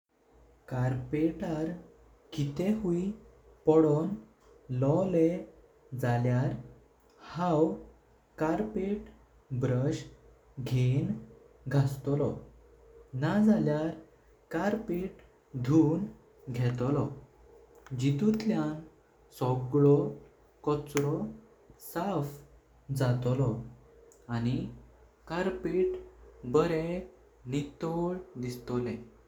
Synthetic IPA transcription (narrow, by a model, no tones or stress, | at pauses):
kaɾpeʈaɾ | kit̪eɦui | pɔɽɔn | lɔle | d͡zaljaɾ | hãw | kaɾpeʈ | bɾəɕ | ɡʱen | ɡʱast̪ɔlɔ | nad͡zaljaɾ | kaɾpiʈ | d̪ʱun | ɡʱɛt̪lɔ | d͡ʑit̪ut̪ljan | sɔɡɭɔ | kɔt͡sɾɔ | saf | d͡zat̪ɔlɔ | añi | kaɾpiʈbəɾe | nit̪oɭd̪ist̪ɔlɛ̃